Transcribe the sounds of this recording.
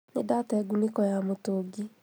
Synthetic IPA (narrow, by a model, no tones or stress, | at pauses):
nedatɛɡunekɔjamotoɡi